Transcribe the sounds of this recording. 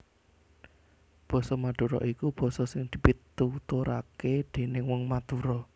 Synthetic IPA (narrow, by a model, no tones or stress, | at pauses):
b̥ɔ̤sɔmad̪̥ṳɾɔ̰ʔikub̥ɔ̤sɔsɪŋd̪̥i̤pit̪ut̪uɾa̰ked̪̥e̤nɪŋwɔŋmad̪̥ṳɾɔ